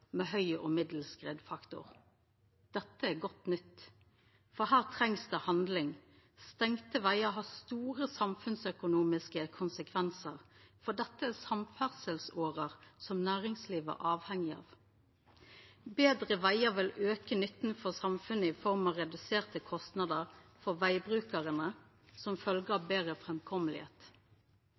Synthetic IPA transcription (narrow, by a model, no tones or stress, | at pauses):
meːhœʏɔ̰ːmɪd̪l̩skʁeːd̪fɑkt̪ʊ̰ʁ | d̪̥ɛt̪ːəæːɡɔt̪nʏt̪ː | fɔhæːʁt̪ʰʁɛŋsd̪ehɑnd̪lɪŋ | st̪ɛŋt̪əʋæɪəɦɑːst̪uːʁəsɑmfʉnsœkʊnuːmɪskəkʰʊnsəkʰʋɛnsəʁfɔd̪ɛt̪ːəæːsɑmfæʁsəlsoːʁəʁsɔmnæːʁɪŋsliːʋə̰ʔɑːʋhɛŋɪɑ̰ːʋ | beːd̪ʁəʋæɪəʁʋɪløːkənʏt̪n̩fɔʁsɑmfʉnəɪfɔʁmɑʁɛd̪ʉseːʁt̪əkʰɔst̪nɑd̪əʁfɔʋæɪbʁʉːkəʁənə | sɔmfœlɡəɑʋbeːʁəfʁɛmkʰɔməlɪ̰hḛːt̪